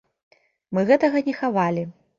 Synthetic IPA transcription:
mɨɣɛt̪ɐɣɐnʲɛxavalʲi

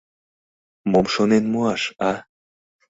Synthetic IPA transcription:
momʃonenmuɑʃɑ

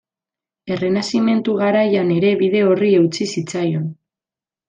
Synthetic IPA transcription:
e̞re̞nasime̞nt̪uɣaɾajane̞ɾe̞βiðe̞o̞rie̞wt͡sisit͡sajo̞n

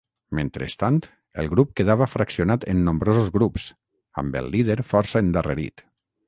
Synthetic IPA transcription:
ment̪ɾḛst̪ant̪ | ə̰lˠɣɾup̚keðaβəfɾaksionat̪enːõmbɾozuzɣɾups | a̰mbə̰lˠːið̞eɾfɔɾsəend̪əreɾḭt̪

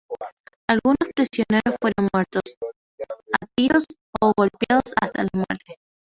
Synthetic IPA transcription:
alɣunospɾisjo̞ne̞ɾosfwe̞ɾonmwe̞ɾt̪os | at̪ios | oɣo̞lpjaðosast̪alamweɾt̪e

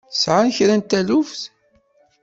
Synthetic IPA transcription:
sʕançɾænt̪ælufθ

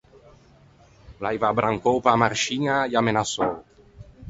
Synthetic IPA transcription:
lajvabɾʔaŋkowpamaɾʃiŋajamenasow

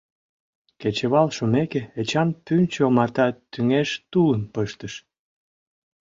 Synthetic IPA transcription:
ket͡ɕeβɑlʃumekeet͡ɕɑnt̪ynʲt͡ɕomɑrt̪ɑt̪ːyŋeʃt̪ulənpəʃt̪əʃ

